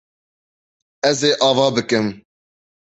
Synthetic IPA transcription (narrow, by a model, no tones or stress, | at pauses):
ɛzeːʔɑːvɑːbɨkɨm